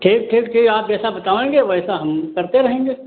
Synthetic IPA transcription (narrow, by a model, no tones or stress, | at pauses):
ʈʰiːk̚ʈʰiːkʈʰiːkaːp̚d͡ʒɛːsabɐt̪aːʋẽːŋɡeʋoɛːsaɦɐmkɐɾt̪eɾɐɦẽːŋɡeː